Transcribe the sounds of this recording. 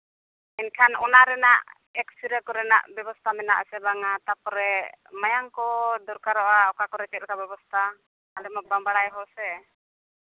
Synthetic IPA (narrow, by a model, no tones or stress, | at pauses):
ɛnkʰanɔnaɾɛnaʔ | ɛksiɾakɔɾɛna̰ʔbɛbɔst̪amɛna̰ʔsɛbaŋat̪apɔɾɛmajaŋkɔdɔɾkaɾɔʔaɔkakɔɾɛt͡ʃɛkabɛbɔst̪a | alɛmabambaɽajɦɔsɛ